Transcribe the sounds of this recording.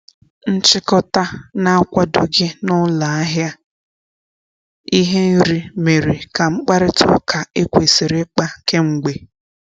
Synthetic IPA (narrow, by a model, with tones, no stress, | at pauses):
n̩˦t͡ʃɪ˦kɔ˦ta˦na˦a˦kʷa˦do˨ɡɪ˦nʊ˦la˨a˦ɦja˦ | i˦ɦe˦ɾi˨me˨ɾi˨ka˨ŋ͡m̩˦k͡pa˦ɾɪ˦tʰʊ̰˦kʰa˨e˦kʷe˨si˨ɾɪ˦k͡pa˦ke˦ŋ͡m̩˨ɡ͡be˨